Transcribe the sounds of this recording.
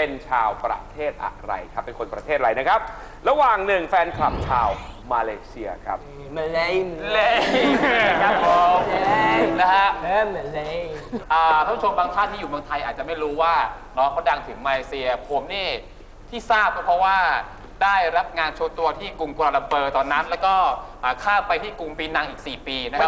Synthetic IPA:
pe˧nt͡ɕʰaː˧wpɾa̰˦˧˩t̪ʰeː˥˩t̪̚ʔa̰˨˩ɾa̰˧jkʰa˦˥pːe˧nkʰo˧npɾa˧t̪ʰeː˥˩t̪̚ɾa˧jna˦˥kʰa˦˥p̚ | ɾa˧waː˨˩ŋnɯ˨˩ŋfɛː˧nkʰla˨˩m̚t͡ɕʰaː˧wmaː˧leː˧si˧ɐkʰa̰˦˥p̚ | le˦˥ | kʰa˦˥pːo˨˦ | na˦˥kʰa˦˥ʔ | ʔaː˨˩a˥˩pʰu˥t͡ɕo˧mbaː˧ŋt̪ʰaː˥˩niː˦˥juː˨˩mɯ˧əŋt̪ʰa˧jʔaː˨˩t̪̚t͡ɕa˨˩ma˥˩jɾuː˦˥waː˥˩ | nɔː˦˥kʰa˧˩da˧ŋt̪ʰɯ˩˦ŋmaː˧leː˧si˧ɐpʰoː˨˦mniː˥˩ | t̪ʰiː˥˩saː˥˩p̚kɔː˥˩pʰɾɔ˦˥waː˥˩ | daː˥˩jɾa˦˥p̚ŋaː˧nt͡ɕʰo˧˦t̪u˧ɐt̪ʰiː˥˩ku˧mku˧la˧la˧mpɤː˧t̪ɔː˧nːa˦˥nlɛː˦˥wkɔː˥˩ʔaː˨˩kʰaː˥˩wpːa˧jt̪ʰiː˥˩ku˧ŋpiː˧na˧ŋʔiː˨˩k̚siː˨˩piː˧na˥kʰa˦˥

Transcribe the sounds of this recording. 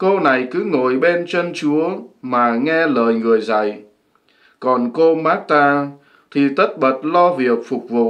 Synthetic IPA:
ko˧na˨˩jkɨ˨˦ŋo˧˨jɓe˧nt͡ɕə˧nt͡ɕu˨˦əmaː˨˩ŋɛ˧ləː˨jŋɨ˨˩əjza̰˧˨j | kɔ˨˩nko˧maː˦˥k̚t̪aː˧ | t̪ʰi˨˩t̪ə˦˥t̚ɓə˨˩t̚lɔ˧vi˨˩ək̚fʊ˨˩k͡p̚vṵ˧˨

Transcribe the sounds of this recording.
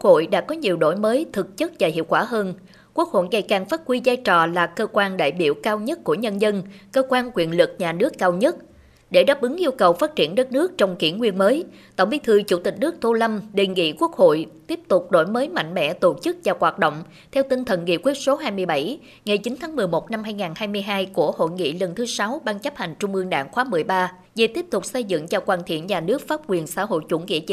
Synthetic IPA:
k̚ho̰˧˨jɗa̰ː˧˥kɔ˨˦ɲi˨˩əwɗo̰˧˩jməː˨˦jt̪ʰɨ˨˩k̚t͡ɕɨ˦˥t̚vaː˨˩hḭ˧˨əwkwaː˧˩ɦəː˧n | ku˦˥ək̚ho̰˧˨jŋa˨˩jkaː˨˩ŋfaː˦˥t̚kwi˧zaː˧jt͡ɕɔ̰˧˨laː˨˩kəː˧kwaː˧nɗa̰ː˧˨jɓḭ˧˩əwkaː˧wɲə˦˥t̚ku˧˩əɲə˧nzə˧nkəː˧kwaː˧nkwi˧˩ənlɨ˨˩k̚ɲaː˨˩nɨ˦˥əkːaː˧wɲə˦˥t̚ | ɗe˧˩ɗaː˦˥p̚ʔɨ˨˦ŋʔi˧əwkə˨˩wfaː˦˥t̚t͡ɕi˧˩ənɗə˦˥t̚nɨ˦˥ək̚t͡ɕɔ˧wŋ͡mkḭ˧˩əŋwi˧ənməː˨˦jt̪ə̰˧˩wŋ͡mvi˨˦t̪ʰɨ˧t͡ɕu˧˩t̪ï˨˩k̟̚nɨ˦˥ək̚t̪ʰu˧la˧mɗe˨˩nŋḭ˧˨ku˦˥ək̚ho̰˧˨jt̪i˦˥əp̚t̪ʊ˨˩k͡p̚ɗo̰˧˩jməː˨˦jma̰˧˨ŋ̟mɛ̰˧˨t̪o˧˩t͡ɕɨ˦˥k̚zaː˨˩kwaː˨˩t̚ɗo̰˧˨wŋ͡m | t̪ʰɛ˧wt̪i˧nt̪ʰə˨˩nŋḭ˧˨kwi˦˥t̚so˨˦ɦaː˧jmɨ˧əjɓa˧˩j | ŋa˨˩jt͡ɕi˨˦nt̪ʰaː˨˦ŋmɨ˨˩əjmo˨˩t̚na˧mhaː˧jŋaː˨˩nhaː˧jmɨ˧əjɦaː˧jku˧˩əho̰˧˨jŋḭ˧˨lə˨˩nt̪ʰɨ˨˦sa˨˦wɓaː˧ŋt͡ɕə˦˥p̚ha˨˩jŋ̟t͡ɕʊ˧ŋ͡mʔɨ˧əŋɗa̰ː˧˩ŋxwaː˨˦mɨ˨˩əjɓaː˧ | ve˨˩t̪i˦˥əp̚t̪ʊ˨˩k͡p̚sə˧jzɨ̰˧˨ŋt͡ɕɔ˧kwaː˨˩nt̪ʰḭ˧˩ənɲaː˨˩nɨ˦˥ək̚faː˦˥p̚kwi˨˩ənsa̰ː˧˥ɦo̰˧˨jt͡ɕwu˧˩nkḭ˧˨ət͡ɕi˧˦

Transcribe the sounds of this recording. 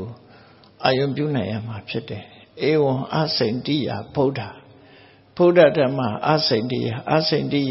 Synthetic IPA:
o˨ | ʔa˨jõ˨ʊ̃mpjṵ˦˨nã˨ɪ̃ja̰˦˨m̥a˨pʰjɪ˦tɛ˨ʔe˨wʊ̃˨ʔa̰˦sẽ˨ɪ̃ntḭ˦˨ja̰˨b̥o˦ʊda˨ | b̥o˦da˦˨dã˦m̥a̰˨ʔa̰˦sẽ˨ɪ̃ntḭ˦˨ja˨ʔa̰˦sẽ˨ɪ̃ntḭ˦˨j

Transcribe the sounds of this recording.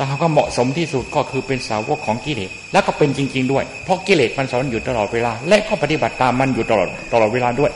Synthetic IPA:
t̪ɛː˨˩kʰa˨˩p̚kaː˥˩mɔ̰˨˩ʔso˩˦mt̪ʰiː˥˩su˨˩t̪̚kɔː˥˩kʰɯː˧pe˧nsaː˨˦wo̰˦˥˩kʰːɔː˩˦ŋkiː˧˩leː˨˩t̪̚lɛ˦˥wkɔː˥˩pe˧nt͡ɕi˧ŋt͡ɕi˧ŋdu˥˩əjpʰɾɔ˦˥kiː˧leː˨˩t̪̚ma˧nsaː˦˥˧juː˨˩t̪a˧lɔː˨˩t̪̚weː˧laː˧lɛ˦˥ʔkʰɔː˥˩pa˧t̪i˨˩ba˨˩t̪ːaː˧mːa˧nju˨˩t̪a˧lɔ̰ː˨˩t̪ːa˧lɔː˨˩t̪̚weː˧laː˧du˥˩əj

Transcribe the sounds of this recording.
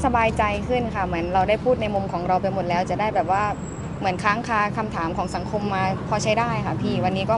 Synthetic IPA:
sa˧baː˧jt͡ɕa˧jkʰɯ˥˩nkʰa˥˩mɯ˩˦ənɾa˧wdaː˥˩jpʰuː˥˩t̪̚na˧jmu˧mkʰɔː˩˦ŋɾa˧wpa˧jmo˨˩t̪̚lɛː˦˥wt͡ɕa˨˩daː˥˩jbɛː˨˩p̚waː˥˩ | mɯ˩˦ənkʰaː˦˥ŋkʰaː˧˩kʰa˧mt̪ʰaː˩˦mkʰɔː˩˦ŋsa˩˦ŋkʰo˧mːaː˧pʰɔː˧t͡ɕʰa˦˥jdaː˥˩jkʰa˥˩pʰiː˧˥˩wa˧nːiː˦˥kɔː˥˩

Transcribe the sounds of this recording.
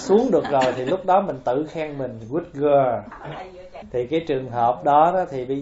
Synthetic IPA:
su˨˦əŋɗɨ˨˩ək̚zo˨˩jt̪ʰi˨˩lʊ˦˥k͡p̚ɗɔ˨˦mï˨˩ŋ̟t̪ɨ̰˧˨xaː˧ŋmï˨˩ŋ̟ɣwi˦˥t̚ɣə˧ | t̪ʰi˨˩kaː˨˦jt͡ɕɨ˨˩əŋɦəː˨˩p̚ɗɔ˨˦ɗɔ˨˦t̪ʰi˨˩ɓə˧

